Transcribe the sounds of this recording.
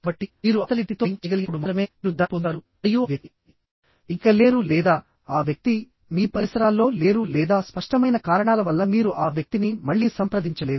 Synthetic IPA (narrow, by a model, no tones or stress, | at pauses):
bɐʈːimiːɾuɐt̪ɐlit̪ːit̪oːɲt͡ʃɐɡɐliɡpːuɽumɐɾɐme̞ːɾud̪apɔnd̪aːɾu | joːʋjɐi | iŋkɐle̞ːɾulɛːd̪aː | aːʋjɐk̚t̪i | miːpɐɾisɐɾaːlːo̞ːle̞ːɾulɛːd̪aːspɐʂʈɐmɐjnɐkaːɾɐɳaːlɐʋɐlːɐmiːɾuʔaːʋjɐk̚t̪inimɐɭːiːsɐmpɾɐd̪iɲt͡ʃɐle̞ːu